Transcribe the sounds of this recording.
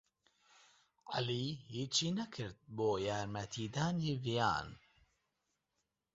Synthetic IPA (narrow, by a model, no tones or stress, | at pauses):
ʕa̰liːhiːt͡ʃiːnɐkʰɨɾt̪̚boːjaːɾmɐt̪ʰiːd̪aːniːvija̰ːn